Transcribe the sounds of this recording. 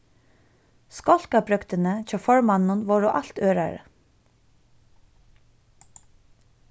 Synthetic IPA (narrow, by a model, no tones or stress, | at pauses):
skɔl̥kabɾʏkt̪ənət͡ɕɑːfɔɹmanːʊnʋɔɹɔʔalt̪øːɹa̰ɹə̰